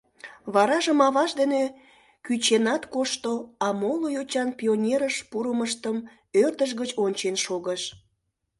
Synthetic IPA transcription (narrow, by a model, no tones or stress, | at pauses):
βɑɾɑʒəmɑβɑʃd̪ene | kyt͡ɕenɑt̪koʃt̪oɑmolojot͡ɕɑnpʲionʲeɾəʃpuɾəməʃt̪əm | ørt̪əʃ̬ɣət͡ɕonʲt͡ɕenʃoɣəʃ